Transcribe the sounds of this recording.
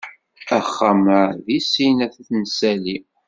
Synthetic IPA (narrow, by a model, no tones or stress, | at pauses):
æχːaməðisinæθæθnəsæli